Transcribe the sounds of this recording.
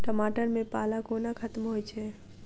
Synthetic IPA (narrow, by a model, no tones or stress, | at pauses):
ʈəmaːʈəɾmẽpaːlakoːnakʰɐt̪mɦojt͡ʃʰɛː